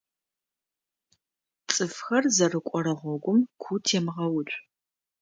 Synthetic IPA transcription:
t͡sʼɨfxɐrzɐrɨkʷʼɔɾɐʁʷɔɡʷʊmkʷʰutʰeːmʁɐwʊt͡ʃʷʼ

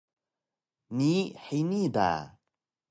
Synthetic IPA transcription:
niħejnid̪a̰

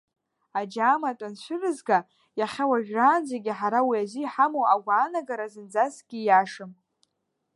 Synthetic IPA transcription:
ad͡ʒaːmatʷʼant͡ʃʷʰɨrɨzɡa | jaχʲawaʒᶣraːnd͡zeɡʲiħaɾawiaziħamowaɡʷaːnaɡaɾazɨnd͡zasɡ̥ʲijaʂɨm

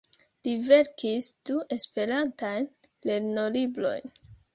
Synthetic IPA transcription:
live̞ɾkisd̥uʔe̞spe̞ɾantajnle̞ɾno̞libɾo̞̰jn

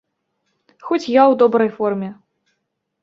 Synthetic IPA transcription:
xɔt͡sʲjawd̪ɔbɾɐjfɔrmʲɛ

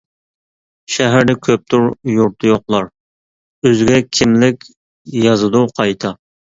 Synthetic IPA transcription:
ʃɛɦæɾd̪ɛkʲʰøp̚t̪ʰuɾjuɾt̪ʰɨjoqlˠɑɾ | øzɡʲɛkʲʰɪmlɪkʲ | jɑzɨd̪uqʰɑjt̪ʰɑ

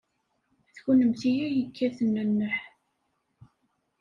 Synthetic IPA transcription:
θçunəmθijæjəkːæθənːənːəħ

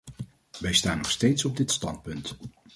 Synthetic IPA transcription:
ʋɛjstaːnɔχstejtsɔb̚dɪtstɑnt̚pɵnt

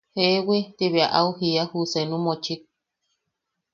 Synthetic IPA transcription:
hewet̪iβeaʔauhiahusenũmot͡ʃik̚

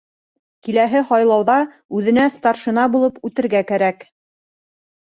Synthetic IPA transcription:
kilæɦɘhɑjlˠɑwðɑ | ʉðɘ̆næst̪ɑrʃɤ̆nɑbulˠɤpʉt̪ɘ̆ɾɡækæɾæk

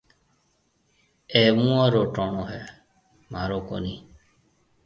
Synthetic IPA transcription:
emũaɾoʈɔɳ̃ɔɦɛ | m̤aɾokɔ̰ni

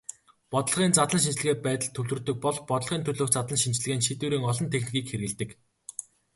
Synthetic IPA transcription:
pɔt̪ə̆ɮ̆ʁiːnt͡sat̪ɮə̆nʃint͡ɕɮɘ̆ɣeːpæːt̪ə̆ɮt̪ʰɵwɮɵ̆rt̪ɵ̆k̚pɔɮpɔt̪ə̆ɮ̆ʁiːnt̪ʰɵɮoːxt͡sat̪ɮə̆nʃint͡ɕɮɘ̆ɣeːnʃit̪uːɾiːŋɔɮɞ̆nt̪ʰexnĭɣiːkxeɾɣɘ̆ɮt̪ɘ̆k

